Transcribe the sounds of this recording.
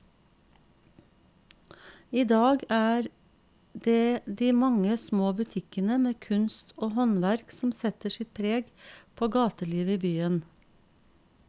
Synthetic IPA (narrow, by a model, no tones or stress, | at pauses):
iːd̪ɑːɡæːɾ | d̪eːd̪iːmɑŋəsmoːbʉt̪ʰɪkənəmeːkʰʉnst̪ʰoːhɔnʋæɾksɔm̩sɛt̪əʃɪt̪̚pʰɾeːɡpʰoːɡɑːt̪əliːʋəiːbyːən